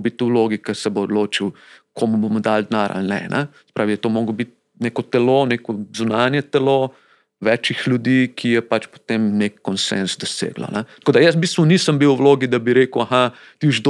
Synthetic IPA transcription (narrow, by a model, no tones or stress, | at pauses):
bit̪̚t̪ːuloːɡikɐsɛboːd̪loːt͡ʃiwkʰoːmubomɔd̪ald̪naːɾʔa̰lnɛ̰nʔɛsɛ̥pɾaːʋiɛt̪omoːɡobit̪̚ | nekɔt̪ɛloːnekɔzunaːnjɛt̪ɛlo | ʋɛːt͡ʃixlʲjud̪iːkʰijɛpat͡ʃpo̥t̪emnekːɔnsḛnzd̪ɔsḛːɡlo̰nɛt̪koːd̪ajəs̬bist̪ʋɔniːsəmbiwwloːɡid̪abiɾeːkuwaxa | t̪iʒd̪